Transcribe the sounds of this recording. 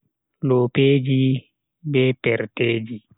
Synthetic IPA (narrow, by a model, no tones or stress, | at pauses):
loːpeːd͡ʒi | bɛpɛɾteːd͡ʒi